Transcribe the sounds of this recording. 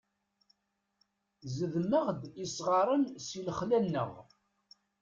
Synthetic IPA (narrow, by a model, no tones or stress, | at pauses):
zəðməʁd̪isʁɑɾˤənsiləχlænːə̰ʁ